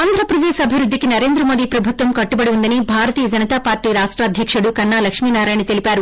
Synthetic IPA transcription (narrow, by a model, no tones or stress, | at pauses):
aːnd̪ʱɾɐpɾɐd̪eːʃɐbʱiɾud̪ːikinɐɾe̞ːnd̪ɾɐmoːd̪iːpɾɐbʱut̪ʋɐmkɐʈːubɐɽiund̪ɐnibʱaːɾɐt̪iːjɐd͡ʒɐnɐt̪aːpaːɾʈiːɾaːʂʈɾaːd̪ʱjɐkʂɐɽukɐnːaːlɐkʂmiːnaːɾaːjnt̪e̞lipaːɾu